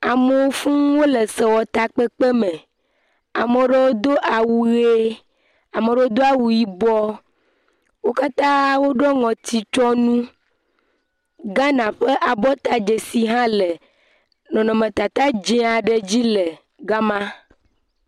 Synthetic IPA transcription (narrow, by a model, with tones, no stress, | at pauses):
a˨me˨wo˦fũ˦wo˦le˨sɛ˨wɔ˨t̪a˨k͡pe˦k͡pe˦me˨ | a˨mẽ˨ɖe˦wo˦d̪o˦ʔa˨wu˨e˦ | a˨me˨ɖe˨wo˦d̪o˦a˨wu˨ji˦bɔ˦ | wo˦ka˦t̪ã˦wo˦ɖɔ˦ŋɔ̃˨t̪i˨t͡ʃɔ˦nũ˦ | ɡa˦nã˨ɸe˦ʔa˨bɔ˦t̪a˨d͡ʒe˨si˨ɦã˦le˨ | nɔ̃˨nɔ̃˨mẽ˨t̪a˨t̪a˦d͡ʒɛ̃˦a˨ɖe˨d͡ʑi˦le˨ | ɡa˦mã˦